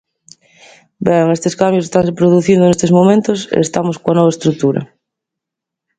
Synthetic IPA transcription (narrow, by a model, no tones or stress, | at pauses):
bɛŋest̪eskambjose̥st̪aŋsepɾoðuθind̪onest̪ezmomẽnt̪osḛḛst̪amoskoanɔβaest̪ɾuk̚t̪uɾɐ̰